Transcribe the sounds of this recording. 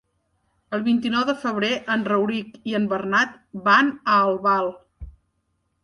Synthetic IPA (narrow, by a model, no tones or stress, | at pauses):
əlˠβint̪inɔwðəfəβ̞ɾeʔənrəwɾikiəmbərnat̪̚ | banəːlˠβalˠ